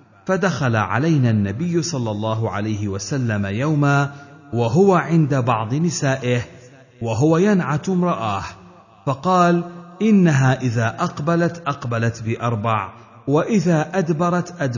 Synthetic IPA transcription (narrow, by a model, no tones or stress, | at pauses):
fad̪axala̰ʕa̰lajnaːnːabɪjːʊsˤɑlːɑlˤːɑːɦʊʕa̰lajhɪwasalːamajawmaːwaɦʊwaʕɪnd̪abɑʕd̪ˤɨnɪsaːʔɪh | waɦʊwajanʕat̪mɾˤɑʔaːh | fɑqɑːlʔɪnːaɦaːʔɪðaːʔɑqbalat̪ʔɑqbalat̪bɪʔɑɾˤbɑʕ | waʔɪðaːʔad̪bɑɾˤɑt̪ʔad̪